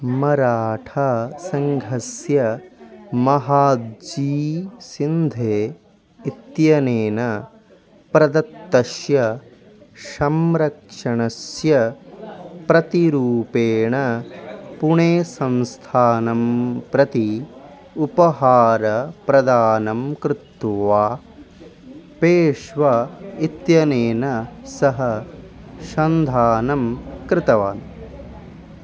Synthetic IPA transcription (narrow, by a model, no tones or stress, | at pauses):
mɐɾaːʈʰasɐŋɡʱɐsjɐ | mɐɦaːd̪d͡ʒiːsind̪ʱeː | it̪jɐneːnɐ | pɾɐd̪ɐt̪ːɐʃjɐ | ʃɐmɾɐkʂɐɳɐsjɐ | pɾɐt̪iɾuːpeːɳɐ | puɳeːsɐnst̪ʰaːnɐmpɾɐt̪i | upɐɦaːɾɐpɾɐd̪aːnɐmkɾɪt̪ʋaː | peːʃʋɐit̪jɐneːnɐsɐɦɐ | ʃɐnd̪ʱaːnɐmkɾɪt̪ɐʋaːn